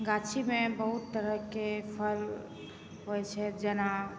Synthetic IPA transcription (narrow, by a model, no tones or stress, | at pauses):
ɡat͡ʃʰimebəɦut̪ːəɾəɦkepʰəɾ | ɦojt͡ʃʰɛd͡ʒɛna